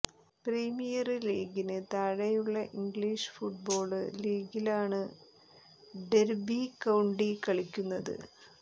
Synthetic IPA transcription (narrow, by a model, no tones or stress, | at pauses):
priːmijɐrliːɡinɨt̪ɐɻɐjuɭːɐʔiŋɡɭiːʂɨ̥fuʈ̚bo̞ːɭɨliːɡilaːɳɨ | ɖeɾbikɐwɳɖikɐɭikʲːunːɐðɨ̰